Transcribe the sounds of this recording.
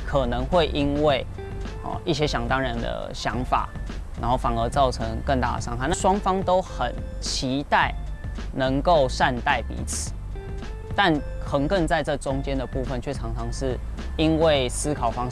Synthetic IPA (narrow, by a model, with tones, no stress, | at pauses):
kʰə˨˩nə˧˦ŋxwe˥˨ɪʔi˦nwe˥˩ɪ | ɔ̰˨i˥˩ɕjɛ˥ɕjɑ˨˩ŋt̪ɑ˥ŋɻa˧˦nd̪ə̰˩ɕjɑ̰˧˥ŋfa̰˨˩˦na˧˥nxo˥˩ʊfɑ˨˩ŋə˧˦t͡sɑ˥˩ʊʈ͡ʂʰə˧˦ŋkə˥˧nt̪a̰˥˩d̪ə˨˩ʂɑ˥ŋkʰa˥˨na˥˨ʂwɑ˥ŋfɑ˥ŋt̪o˥ʊxə˨˩n | t͡ɕʰi˨˧˥t̪a˥˩ɪnə˧˦ŋko˥˩ʊʂa˥˧nt̪a˥˩ɪpḭ˨˥t͡s̩ʰ˨˩˦ | t̪a˥˨nxə˧˥ŋkə˥˧nt͡sa˥˧ɪʈ͡ʂɤ˥˩ʈ͡ʂʊ˦˥ŋt͡ɕjɛ˦˥nd̪ə˨˩pu˥˧fə˥˨nt͡ɕʰɥɛ˥˩t͡sʰɑ˧˥ŋt͡sʰɑ˧˥ŋʂɻ̩˥˩ | i˦nwe˥˩ɪsɹ̩˥kʰɑ˨˩ʊfɑ˥ŋ